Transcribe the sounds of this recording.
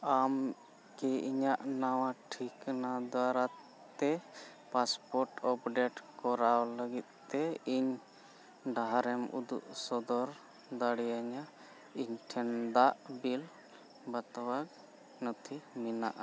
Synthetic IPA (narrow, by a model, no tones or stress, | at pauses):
am | kɛiɲaʔnawaʈʰiknad̪waɾa | t̪ɛ | paspɔɾʈɔpɖɛʈkɔɾawləɡit̪̚t̪ɛiɲ | ɖaɦaɾɛmṵd̪uʔsɔd̪ɔɾ | d̪aɽijaɲa | iɲʈʰɛnd̪aʔbil | bat̪awak | nɔt̪ʰimina̰ʔa